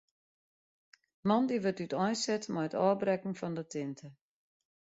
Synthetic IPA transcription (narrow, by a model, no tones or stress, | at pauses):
mɔndiʋətytʰɔjsɛtmɔjətɔːbrɛkn̩fɔndətʰɪntʰə